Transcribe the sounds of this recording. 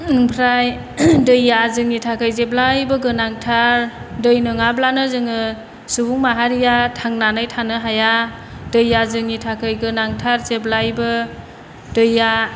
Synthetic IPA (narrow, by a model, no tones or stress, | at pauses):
ɯŋpʰɾaj | dɯjːazɯŋitʰakʰɯjzeblajbɯɡɯnaŋtʰaɾdɯjnɯŋablanɯzɯŋɯ | subuŋmaɦaɾijatʰaŋnanajtʰanɯɦaja | dɯjːazɯŋitʰakʰɯjɡɯnaŋtʰaɾzeblajbɯ | dɯjːa